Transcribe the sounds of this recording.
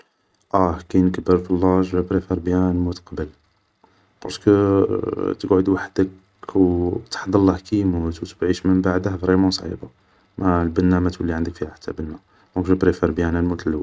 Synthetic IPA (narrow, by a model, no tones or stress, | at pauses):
ʔæhkæjnəkəbəɾfəlːɑʒbæbɾefeɾbjælmut̪qɑbəl | qɑʃkə | t̪əɡʕod̪waħd̪ək | wt̪ħd̪əlːɑhkæmut̪wt̪əbʕiʃmənbaʕd̪əhvɾimɑsˤʕḭba | mælbənːæmæt̪wəlːiʕand̪əkfihæħt̪ːæbənːa | mokʒæbɾifeɾbjænælmut̪əlw